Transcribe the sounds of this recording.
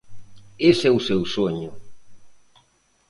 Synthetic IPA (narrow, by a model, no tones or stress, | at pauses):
esɛʊsewsoɲʊ